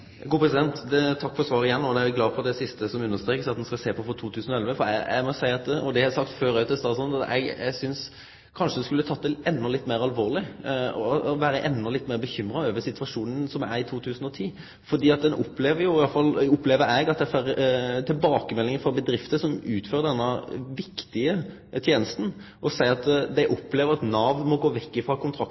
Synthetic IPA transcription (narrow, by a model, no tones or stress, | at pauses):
ɡuːpɾɛsɪd̪ɛnt̪t̪ʰɑkːfɔɾsʋɑːɾəɪjɛnːoːd̪ɛæɪɡlɑːfɔʁd̪ɛsɪst̪əsɔmʉnːəst̪ɾeːkəsɑt̪̚d̪ɛnskɑlseːpʰɔfɔt̪ʰuːt̪ʰʉːsənɔɛlʋəfɔɾɛ̰ɛ̰mɔsæɪɑt̪ɔd̪ɛɛsɑkt̪føːɾœʉt̪ːɛst̪ɑsɔnɑt̪ɛ̰ɡɛ̰ɡsʏns | kʰɑnʂəd̪ɛnskʉlːət̪ʰɑt̪̚ːd̪ɛɛnːɔlɪt̪ːmeɪɾɑlʋoːʁɾlɪɔɔʋæːɾəʔɛnːɔlɪt̪ːmeːɾbəçʏmːɾɑøːʋəsɪt̪ʰʋɑʂuːnənsɔmæ̰ɾɪt̪ʰuːt̪ʰʉːsn̩ɔt̪ʰiː | fɔd̪iːɑt̪̚d̪ɛnʔɔ̰pːleːʋəɾjʊɪɑlfɑlɔpːleːʋəɾɛɡɑt̪̚d̪ɛfæɾt̪ʰɪlbɑːkəmɛlːɪŋəfɔbəd̪ɾɪft̪əsɔmʉːt̪føːɾəd̪ɛnːəʋɪkt̪ɪə | t̪ʰjeːnəst̪n̩ | ʔɔsæɪɑt̪d̪ɛʔɔpːleːʋəɾɑt̪nɑːʋmɔɡoːʋɛkːɪfɾɑkʰʊnt̪ʰɾɑk̪